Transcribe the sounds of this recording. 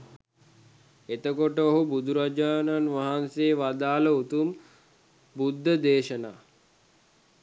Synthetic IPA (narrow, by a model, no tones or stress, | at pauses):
et̪əkoʈəoɦubud̪uɾad͡ʒaːnanʋaɦanseːʋad̪aːləut̪um | bud̪ʱːəd̪eːʃəna̰ː